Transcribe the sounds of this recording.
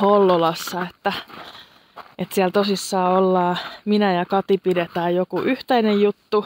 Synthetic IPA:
holːolɑsːɑet̪ːæ | ʔet̪siælt̪osisːɑːolːɑːminæjɑkɑt̪ipidet̪æːjjokuʔyht̪æinejjut̪ːu

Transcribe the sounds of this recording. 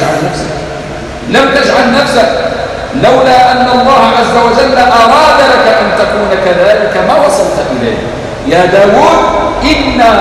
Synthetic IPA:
ʕanafsa̰k | lamt̪aʃʕahnafsak | lawlaːʔanːaɑlˤːɑːhaʕazːawad͡ʒalːamaːwaːd̪ɑɾˤɑkaʔant̪akuːnakaðaːlɪkamaːwɑsˤɑlt̪ʔɪla̰jk | jaːd̪aːwuːd̪̚ʔɪnːaː

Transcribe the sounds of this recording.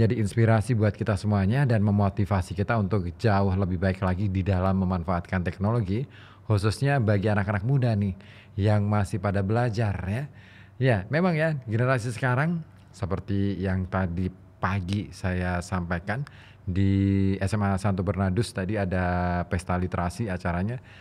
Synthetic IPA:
d͡ʒadiːnspiɾasibuat̪̚kit̪asəmuaɲadanməmot̪ifasikit̪aunt̪ʊk̚d͡ʒaʊhləbɪhbaɪklaɡididalamːəmanfaːt̪̚kant̪ɛk̚noloɡi | hususɲabaɡianakanak̚mudanɪh | jaŋmasɪhpadabəlad͡ʒarja | jamemaŋjaɡənəɾasisə̥kaɾaŋ | səpərt̪ijaŋt̪adi | paɡisajasampajkan | diɛsɛmasant̪obərnadʊst̪adiadapɛst̪alit̪ɾʔasiat͡ʃaɾaɲa

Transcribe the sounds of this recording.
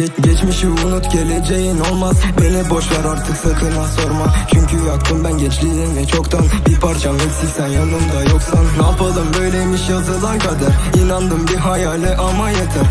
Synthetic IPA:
ɟɛt͡ʃmiʃiunut̪ɟʲe̞lʲed͡ʒejino̞lˠmazbenɛbo̞ʃlˠaɾaɾt̪ʰɯksat̪ʰɯnaso̞ɾmazt͡ʃʰyɲcʰyjak̚t̪ʰɯmb̪ænɟɛt͡ʃlʲijd̪invɛt͡ʃʰo̞kt̪ʰanbipʰaɾt͡ʃʰamɛcʲsiçsɛnjanɯmd̪ajoksanːaːpʰɯlˠd̪ɯmbø̞jlʲejmiʃjazɯlˠaɾkʰad̪aɾinand̪ɯmbiɦajaːlʲɛʔamajat̪ʰɯɾ

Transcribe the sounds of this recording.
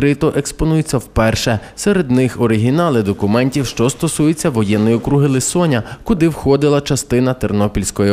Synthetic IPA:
ɾɪt̪ɔʔekspɔnujʊt͡sʲːɐwpɛrʃɛseɾed̪nɪxɔɾɪɦʲinɑlˠɪd̪ɔkʊmɛnʲtʲiwʃt͡ʃɔst̪ɔsujʊt͡sʲːɐʋɔjɛnːɪjɔkɾuɦɪlˠɪsɔnʲɐkʊd̪ɪwxɔd̪ɪlˠɐt͡ʃɐst̪ɪn̪ɐt̪ernɔpʲilʲsʲkɔji

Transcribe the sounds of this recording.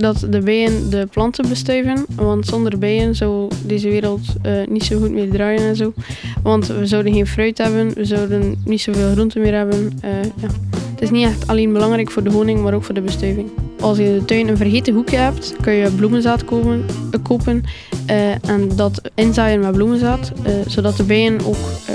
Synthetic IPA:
dɑtdəbɛjəndəplɑntənbəstœɥvənʋɑntsɔndərbɛjənzɔwdeːzəʋeːɾəlˠtəːnitsoːɣutmeːrdraːjənɛnzoːʋɑntʋəzɔwdənɣeːnfrœɥtɦɛbənʋəzɔwdənːitsoːveːlˠɣrɔntəmɪːrɦɛbənəjaːətɪs̬nitɛxtʰɑleːnbəlɑŋɾɛjkfoːrdəɦoːnɪŋmaːɾoːkfoːrdəbəstœɥvɪŋʔɑlˠsjəɪndətœɥnənvərɦeːtəɦukjəɦɛptkønjəblumənzaːt | koːpən | ʔɛndɑtɪnzaːjənmɛblumənzaːtz̥oːdɑt̚dəbɛjəno̰ːk

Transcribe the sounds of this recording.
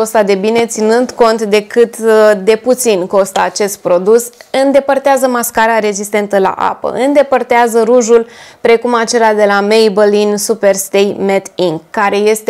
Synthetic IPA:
ost̪ad̪e̞bine̞t̪sinɨnd̪ko̞nt̪d̪e̞kɨt̪d̪e̞put̪sinko̞st̪əat͡ʃe̞st̪̚pɾo̞d̪usɨnd̪e̞pərt̪eazəmaskaɾaɾe̞zist̪e̞nt̪əla̰ʔa̰pə̰ɨnd̪e̞pərt̪eazəɾuʒulpɾe̞kumat͡ʃe̞lad̪e̞lamejbəlinsupe̞rst̪ejmet̪iŋɡːaɾe̞je̞st̪e

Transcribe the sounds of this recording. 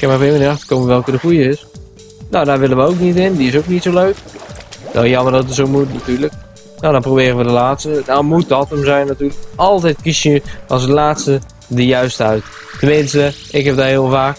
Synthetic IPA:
kɛnmarfɪːlˠɪnəɑxtə̥rkowməʋɛlˠkədəxujəɪs | nowdaːʋɪlənʋəowknitɪndiɪsowknitsoløɥk | ʋɛ̰lˠjɑmərdɔtətsowmutnatyːɹlək | nowdɔnprowbɪːrənʋədəlaːtstədɔmut̚dɔtəmzɛjnːatyːrləkɔlˠtɛjt̚kisjəɔlˠzdəlaːtstə | dəjœɥstəœɥtː | ənmɪnstə | ɪkɦɛp̚daːɦɪːəlˠvaːk

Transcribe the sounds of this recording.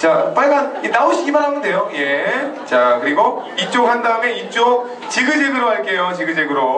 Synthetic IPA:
t͡ɕap͈aɭɡannaoɕʰiɡimaɾɦaɡɯnde̞joje̞t͡ɕakɯɾiɡoit͡ɕ͈okɦandaɯme̞it͡ɕ͈ok̚ | t͡ɕiɡɯd͡ʑeɡɯɾoɦaɭk͈e̞jot͡ɕeɡɯd͡ʑeɡɯɾo

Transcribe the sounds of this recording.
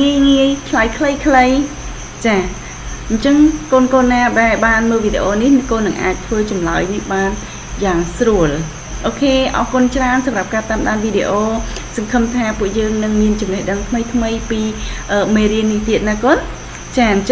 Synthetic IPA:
ŋiəjŋiəjkʰlajkʰləjkʰləj | t͡ɕaː | ɲt͡ɕəŋkoːnkoːnːaːɗaɛlɓaːnməːlʋiːɗḛʔoːnihnkoːnːɨŋʔa̰ːc̚t̪ʰʋəːt͡ɕɑmlaəjnihɓaːn | jaːŋsruəl | ʔoːkʰeːʔɑhkʊnt͡ɕraənsɑmrap̚kaːt̪aːmɗaːnʋiːɗeʔoːsɑŋkʰɨmt̪ʰaːpŭəʔjəːŋnɨŋmiənt͡ɕumnɛhɗəŋt̪ʰməjt̪ʰməjpiːʔəːmeːɾiənːiht̪iət̪̚naːkoːn | t͡ɕaːɲ

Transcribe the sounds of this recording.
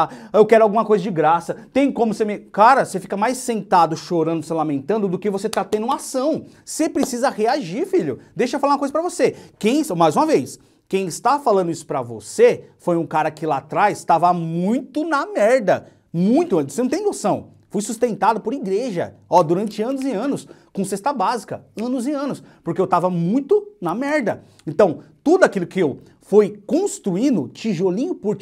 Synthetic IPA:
ewkɛɾʊawɡũmɐkojzɐd͡ʒɪɡɾasɐt̪ẽj̃kõmʊsemikaɾɐsefi̥kɐmajsːẽnt̪ad̪ʊʃoɾɐ̃nd̪ʊselamẽnt̪ɐ̃nd̪ʊd̪ʊkɪvoset̪at̪ẽd̪ʊũmasɐ̃w̃ | sepɾesizɐheaʒiɾfiʎʊd̪ejʃɐfalaũmɐkojzɐpɾɐvosekẽj̃smajzũmɐvejs | kẽj̃ɪst̪afalɐ̃nd̪ʊisʊ̥pɾɐvo̰sefojũkaɾɐkɪlat̪ɾajst̪avɐmũj̃t̪ʊnɐmɛɾd̪ɐ | mũj̃t̪ʊ̃osenɐ̃t̪ẽj̃nosɐ̃w̃ | fujsust̪ẽnt̪ad̪ʊpʊɾiɡɾeʒɐ̰ɔd̪uɾɐ̃nt͡ʃɪɐ̃nʊzɪɐ̃nʊs | kõsest̪ɐbazikɐɐ̃nʊzɪɐ̃nʊspoɾkeewt̪avɐmũj̃t̪ʊnɐmɛɾd̪ɐ | ẽnt̪ɐ̃w̃t̪ud̪ʊakilʊkɪew | fojkõst̪ɾuĩnd̪ʊt͡ʃiʒolĩɲʊpʊɾ

